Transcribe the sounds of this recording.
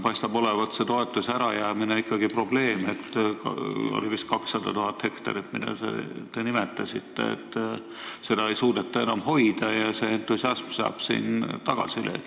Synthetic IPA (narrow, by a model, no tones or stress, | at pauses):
pɑjst̪ɑbo̞levɑt̪se̞t̪o̞e̞t̪ːˑusæɾɑjæːmineikːˑɑɡipro̞ble̞ːmet̪ːkɑo̞̰livist̪̚kɑksːɑd̪̥ɑt̪uɦɑt̪he̞kt̪ɑ̰ɾit̪mid̪̥ɑ̰sḛt̪enimet̪ːˑɑsit̪ːḛḛt̪ˑː | se̞d̪ɑe̞jsuːd̪̥et̪ːˑɑe̞nɑmho̞jd̪̥ɑjɑse̞ent̪ːˑusjɑsmsɑ̰ːb̥sḭːnt̪ɑɡ̥ɑ̰silḛ